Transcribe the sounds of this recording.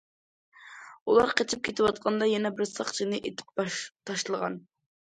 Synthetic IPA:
ulˠɑɾqʰet͡ʃʰip̚kʲʰet̪ɪwɑt̪̚qʰɑnd̪ɑjɛnɛbɪɾsɑχt͡ʃʰɨnɨʔet̪ʰɪ̥p̚t̪ʰɑʃlˠəʁɑ̰n

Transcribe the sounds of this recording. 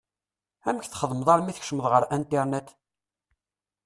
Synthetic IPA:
æməçθχəðˤməðˤɑɾˤmiθçʃəməðˤʁəɾænt̪ːiɾˤnæt̪

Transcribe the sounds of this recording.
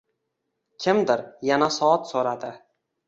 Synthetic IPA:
kʲʰɪmd̪ɪɾjanasɒɒt̪soɾad̪ɪ

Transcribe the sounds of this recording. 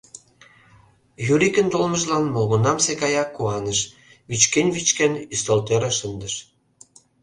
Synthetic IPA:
jyɾikə̆nt̪olmə̆ʃlɑnmolɣonɑmsekɑjɑkːuɑnəʃ | βit͡ɕkenʲβit͡ɕkenyst̪olt̪eɾeʃənd̪ə̆ʃ

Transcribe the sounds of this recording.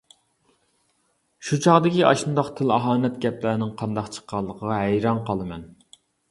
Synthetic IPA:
ʃut͡ʃʰɑʁd̪ɪkʲiʔɑʃɨnd̪ɑqt̪ʰɪlɑɦɑːnɛt̪ɡʲɛplæɾnɪŋqʰɑnd̪ɑqt͡ʃʰə̥qːɑlˠːəqʰəʁɑɦɛjɾɑnqʰɑlˠɨmɛn

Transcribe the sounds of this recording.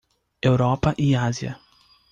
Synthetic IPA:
ewɾɔpɐʔiaziɐ̰

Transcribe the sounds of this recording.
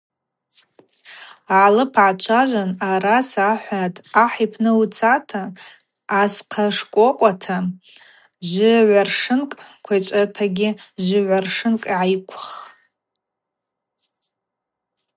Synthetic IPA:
aʕlɨpʰʕat͡ʃʷʰaʒʷanaɾasaħʷatʰʼaħijpʰnɨut͡sʰatʰaː | sqʰaʂkʷʼokʷʼatʰa | ʒʷɪʕʷarʂɨnkʼkʷʰat͡ʃʷʼatʰaɡʲɪʒʷɪʕʷarʂɨnkʼiʕajkʷʰʊχ

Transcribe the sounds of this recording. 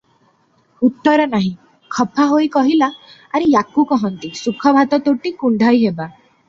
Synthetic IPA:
ut̪ːɔɾɔnaɦĩ | kʰɔpʰaɦojkɔɦilaː | ɾijakukɔɦɔnt̪isukʰɔbʱat̪ɔt̪oʈikuɳɖʱajɦeba

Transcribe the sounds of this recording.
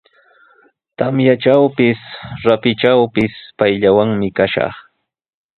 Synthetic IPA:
t̪amjat͡ʃawpɪsɾapɪt͡ʃawpɪspajʎawaŋmɪkaʃɑ̰χ

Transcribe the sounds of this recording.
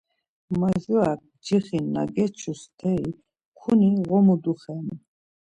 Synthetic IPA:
maʒuak̚d͡ʒiχinːa̰ɡɛt͡ʃʰust̪ʰɛi | kʰuniʁɔmud̪uχɛni

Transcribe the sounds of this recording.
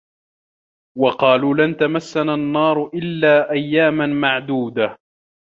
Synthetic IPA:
wɑqɑːluːlant̪amasːananːɑːɾˤʊʔɪlːaːʔajːaːmamaʕd̪uːd̪a

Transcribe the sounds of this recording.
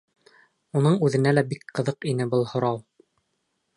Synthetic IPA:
unɤɴʉðɘ̆nælæbikqɤ̆ðɤqinɘbɤlˠhŏɾɑw

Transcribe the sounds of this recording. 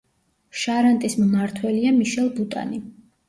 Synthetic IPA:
ʃaɾant̪ʼismmaɾt̪ʰwɛliamiʃɛlˠbut̪ʼa̰ni

